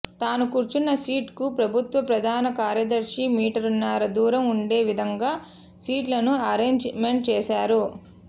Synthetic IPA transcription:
t̪aːnukuːɾt͡ʃunːɐsiːʈkupɾɐbʱut̪ʋɐpɾɐd̪ʱaːnɐkaːɾjɐd̪ɐɾʂimiːʈɐɾunːaːɾɐd̪uːɾɐmuɳɖeːʋid̪ʱɐŋɡaː | siːʈlɐnuɐɾeːɲd͡ʒmeɳʈ̚t͡ʃɛːʃaːɾu

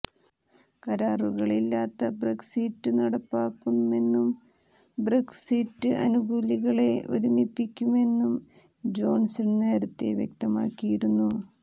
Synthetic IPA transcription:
kɐɾaːruɣɐɭilːaːt̪ːɐbreksiːtːɨnɐɽɐpːaːkːunue̞nːum | breksiːtːɨʔɐ̰nuɡuːliɣɐɭe̞ʔo̰ɾumipːikʲːume̞nːum | d͡ʑo̞ːɳsiɳne̞ːɾɐt̪ːe̞̰ʋjekt̪ɐma̰ːkːijiɾunːu

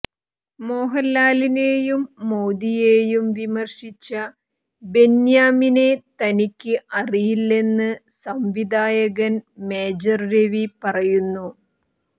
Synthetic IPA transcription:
mo̞ːɦɐlːaːline̞ːjumːoːd̪ijeːjumʋimɐrʂit͡ɕːɐ | be̞njaːmine̞t̪ɐnikʲːɨʔɐrijilːe̞nːɨsɐmʋid̪aːjɐɣɐnme̞ːd͡ʑɐrɾeʋipɐrɐjunːu

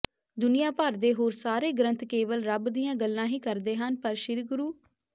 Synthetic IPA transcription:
d̪ʊnɪjãːpəɾd̪eːɦoːɾsaːɾeːɡɾə̃nt̪keːʋəlɾəbd̪ɪjãːɡəlːãːɦiːkəɾd̪eːɦənpəɾʃɪɾɡʊɾuː

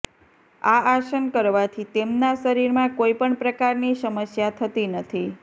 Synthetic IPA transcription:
aaʃənkəɾʋat̪ʰit̪emnaʃəɾiɾmãkoipəɳpɾəkaɾnisəməsjat̪ʰət̪inət̪ʰi

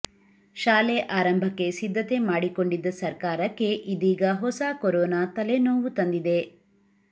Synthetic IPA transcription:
ʃaːleʔaːɾɐmbʱɐkːe̞sid̪ʱːɐt̪e̞maːɽikoɳɖid̪ːɐsɐɾkaːɾɐkːe̞ʔid̪iːɡɐɦɔsaːkoɾɔːnaːt̪ɐlenoːʋut̪ɐnd̪id̪e̞

